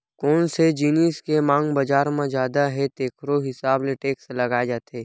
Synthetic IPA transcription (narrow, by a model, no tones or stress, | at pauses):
kɔːnsed͡ʒiːniːskemãːŋɡbɐd͡ʒaːɾmãd͡ʒjaːd̪aɦɛt̪eːkʰɾoɦɪsaːbleʈeːkslɐɡaːed͡ʒaːt̪eː